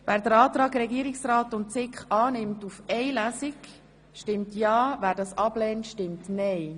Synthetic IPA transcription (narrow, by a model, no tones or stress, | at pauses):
væːɾd̪əɾɑːt̪ɾɑːɡɾɛɡiːəɾɪksɾɑːtʊnt̚t͡sɪkχɑːnɪmtufɛɪlæsik | ʃtɪmtjɑːvæːɾdɑsɑblɛːntʃtɪmtnɛɪ